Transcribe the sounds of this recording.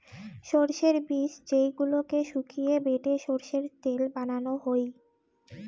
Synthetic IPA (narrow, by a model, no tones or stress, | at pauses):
ʃoɾʃeɾbiʃd͡ʑejɡulokeʃukʰijebeʈeʃoɾʃeɾt̪elbananoɦoj